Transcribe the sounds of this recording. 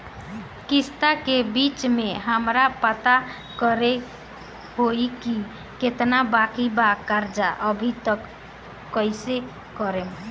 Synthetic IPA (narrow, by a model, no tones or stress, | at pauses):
kist̪akebit͡ʃmeɦəmɾapət̪a | kəɾe | hojki | ket̪nabakibakaɾd͡ʒaʔəbʱit̪əkː | əjse | kɔɾem